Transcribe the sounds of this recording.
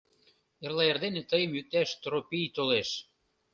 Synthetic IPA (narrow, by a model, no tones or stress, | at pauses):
erlɑerd̪enet̪ɤjɤ̆mjyk̚t̪æʃt̪ɾopijt̪oleʃ